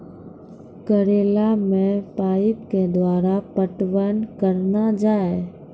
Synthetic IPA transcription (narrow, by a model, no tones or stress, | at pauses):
kəɾeːlamẽpaːipked̪waːɾapəʈʋənkəɾnad͡ʒaːe